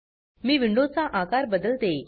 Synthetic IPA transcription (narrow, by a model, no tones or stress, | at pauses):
miːʋiɳɖod͡zt͡saʔakaɾbəd̪əlt̪e